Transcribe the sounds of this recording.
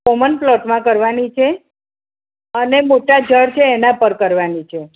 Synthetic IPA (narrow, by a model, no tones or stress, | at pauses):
komənplɔʈmãkəɾʋanit͡ʃʰe | ənemoʈad͡ʒəɽt͡ʃʰeːnãpəɾkəɾʋanit͡ʃʰe